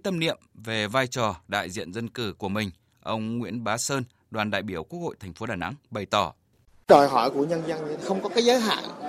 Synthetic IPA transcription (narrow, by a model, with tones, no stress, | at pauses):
t̪ə˧mnḭ˧˨əmve˨˩vaː˧jt͡ɕɔ˨˩ɗa̰ː˧˨jzḭ˧˨ənzə˧nkɨ˧˩ku˧˩əmï˨˩ŋ̟ | ʔə˧wŋ͡mŋwḭ˧˥ənɓaː˨˦səː˧n | ɗwaː˨˩nɗa̰ː˧˨jɓi˧˩əwku˧˦˥k̚ho̰˧˨jt̪ʰɛ˨˩ŋ̟fo˨˦ɗaː˨˩na̰˧˥ŋɓə˨˩jt̪ɔ˧˩ | ɗɔ˨˩jɦɔ˧˩jku˧˩əɲə˧nzə˧ŋ˧˨xə˧wŋ͡mkɔ˨˦kaː˨˦jzəː˨˦jɦa̰ː˧˨ŋ